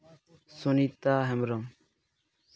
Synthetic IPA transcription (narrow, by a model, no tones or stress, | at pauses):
sunit̪aɦɛmɾɔŋ